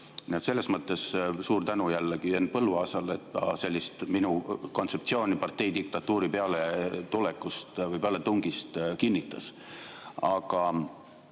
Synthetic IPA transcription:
niet̪se̞lːe̞smɤt̪ːˑe̞ssuːɾt̪ænujælːeɡ̥ienpɤlːuɑsɑle̞t̪ːɑse̞lʲːist̪minuko̞nt̪se̞pt̪sio̞ːnʲipɑrt̪e̞jd̪ik̚t̪ɑt̪ːˑuːɾipe̞ɑlet̪ulekːust̪vɤjpeɑlet̪uŋɡist̪kinʲːit̪ːˑɑs | ɑɡ̥ɑ

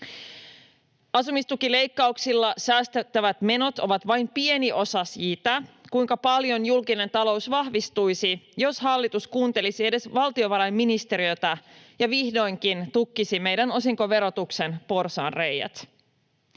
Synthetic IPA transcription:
ɑsumist̪ukile̞jkːɑuksilːɑsæːst̪et̪ːæʋæt̪me̞no̞t̪o̞ʋɑt̪ʋɑjmpie̞niʔo̞sɑsiːt̪ɑkujŋkɑpɑljo̞njulkine̞nt̪ɑlo̞usʋɑhʋist̪ujsijo̞shɑlːit̪uskuːnt̪e̞lisie̞de̞sʋɑlt̪io̞ʋɑɾɑjmːinist̪e̞ɾiø̞t̪ɑjɑʋihdo̞jŋkint̪ukːisime̞jdæno̞siŋko̞ʋe̞ɾo̞t̪ukse̞npo̞rsɑ̰ːnre̞jæ̰t̪

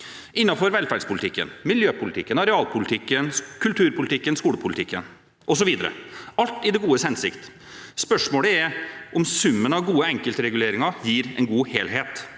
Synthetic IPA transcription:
ʔɪnːɑfɔɾʋɛlfæɖspʰʊlɪt̪ɪkːə̰nmɪljøːpʰʊlɪt̪ʰɪkːənɑɾɛɑːlpʰʊlɪt̪ʰɪkːənkʰʉlt̪ʰʉːɾpʰʊlɪt̪ʰɪkːənskuːɽəpʰʊlɪt̪ʰɪkːən | ʔɔsɔʋiːd̪ə̰ɾə̰ɑlt̪ɪd̪ɛɡuːəshɛnsɪkt̪ | spœʂmoːɽəɛʔɔmsʉmːənɑʋɡuːəɛŋkəlt̪əɾɛɡʉleːɾɪŋɑjiːɾɛ̰nɡuːheːlɦeːt̪

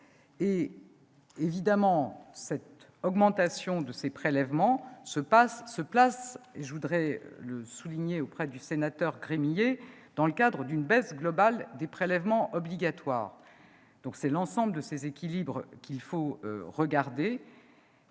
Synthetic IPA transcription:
e | evid̪amɑ̃sɛt̪ | ɔɡmɑ̃t̪asjɔ̃d̪əsepχelɛvmɑ̃səpasːəplaseʒəvud̪ʁɛ̰ləsuliɲeopχɛd̪ysenat̪œʁɡʁemije | d̪̥ɑ̃ləkad̪ʁəd̪ynbɛsɡlɔbald̪epχelɛvmɑ̃ʔɔbliɡat̪wa̰ːʁ | d̪̥ɔ̃ksɛlɑ̃sɑ̃bləd̪əsezekʲilibʁkʲilfo̰ʁəɡaʁd̪e

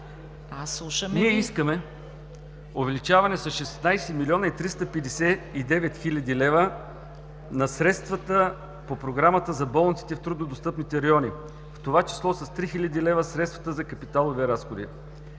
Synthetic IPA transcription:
aslˠuʃəmniɛiskəmɛ | ovɛlit͡ʃavɐnɛsɐʃɛsnajsɛmilʲiɔnəit̪ɾist̪əpɛd̪ɛsɛid̪ɛvɛt̪xilʲɐd̪ilɛvə | nɐsɾɛt̪st̪vət̪ə | popɾoɡɾamət̪əzɐbɔlˠnt̪si̥t̪ɛft̪ɾud̪nod̪ost̪ɤpnit̪ɛɾɐjɔni | ft̪ovat͡ʃi̥slˠɔsɐst̪ɾixilʲɐd̪ilɛvəsɾɛt̪st̪vɐt̪əzɐkɐpit̪alˠoviɾasxod̪ḭ

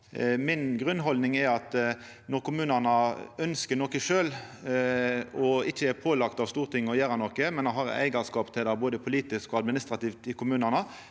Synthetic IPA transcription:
mɪnɡʁʉnːɦɔld̪nɪŋɛɑt̪ | nɔʁkʰʊmʉːnəʁnɑœnskənɔːkəʂøːl | ɔɪçːəæɾpʰoːlɑkt̪ɑʋst̪uːʁt̪ʰɪŋːɔjæːɾɑnɔkəmɛnɑhɑʁ̰æ̰ɪɡəʁskɑːpt̪ʰɪld̪æboːd̪əpʰʊliːt̪ɪskɔɑd̪mɪnɪst̪ʁɑt̪iːʋt̪ɪkʰʊmʉːnəʁnə

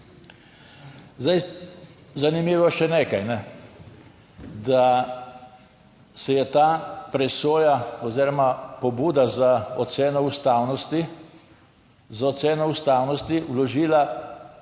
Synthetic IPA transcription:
zd̪aj | zanimiːʋɔʃɛneːkajnɛ | d̪a | sɛjɛt̪aːpɾɛsoːjaɔziːɾɔmapɔbuːd̪azaɔt̪seːnɔust̪aːwnɔst̪i | zaɔt̪seːnɔust̪aːwnɔst̪iulɔʒiːla

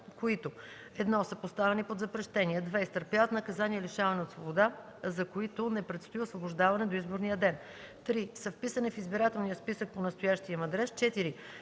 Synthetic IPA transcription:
koit̪o | ɛd̪nɔsəpost̪avɛnipod̪zɐpɾɛʃt̪ɛniɛd̪vɛist̪əɾpjavət̪nɐkɐzaniɛliʃavɐnɛot̪svobod̪a | zɐkoit̪ʊnɛpɾɛt̪st̪oiosvoboʒd̪avɐnɛd̪oizboɾnijəd̪ɛn | t̪ɾisəfpisənifizbiɾat̪ɛlˠnijəspisək̚ponɐst̪ojaʃt̪ijəmɐd̪ɾɛst͡ʃɛt̪iɾi

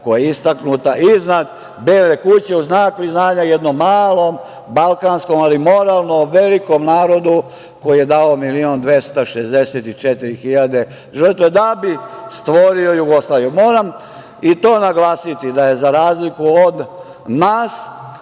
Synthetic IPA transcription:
kojeist̪aknut̪aʔiznad̪ | beːlekut͡ɕe̞uznaːk̚pɾiznaːɲajed̪no̞mːaːlo̞m | balkansko̞malimo̞ɾaːlˠnoʋe̞liko̞mnaːɾo̞d̪u | ko̞jijed̪aomiliond̪ʋest̪aʃezd̪eset̪it͡ʃet̪iɾixiʎad̪e̞ | ʒərt̪ʋed̪abist̪ʋo̞ɾio̞juɡo̞slˠaːʋijomo̞ːɾam | it̪o̞ːnaɡlaːsit̪id̪aje̞zaɾaːzlikuod̪ | naːs

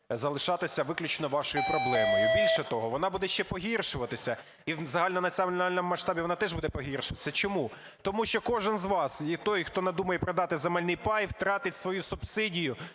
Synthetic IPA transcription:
zɐlˠɪʃɑt̪ɪsʲɐʋɪklʲʊt͡ʃnɔʋɑʃɔjʊpɾɔblˠɛmɔjʊbʲilʲʃɛt̪ɔɦɔʋɔnɑbud̪ɛʃʲt͡ʃɛpɔɦʲirʃʊʋɐt̪ɪsʲɐ | iwzɐɦɑlʲnɔnɐt͡sʲiɔmnɑlʲnɔmʊmːɐʃt̪ɑbʲiʋɔnɑt̪ɛʒbud̪ɛpɔɦʲirʃʊʋɐt̪ɪ̥sʲɐt͡ʃɔmu | t̪ɔmuʃt͡ʃɔkɔʒɪnzʋɑsit̪ɔjxt̪ɔnɐd̪umɐjɛpɾɐd̪ɑt̪ɪzɐmɛlʲnɪjpɑjwt̪ɾɑt̪ɪtʲsʋɔjusʊbsɪdʲijʊ

